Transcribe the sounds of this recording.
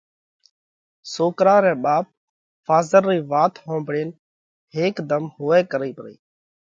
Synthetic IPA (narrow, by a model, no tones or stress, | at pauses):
soːkɾaːɾɛ̃ːɓaːp̚ | faːzəɾːiːʋaːt̪ʰɦõːmbɽeːn | ɦeːkd̪əmɦʊːɛːkəɾiːpəɾḭː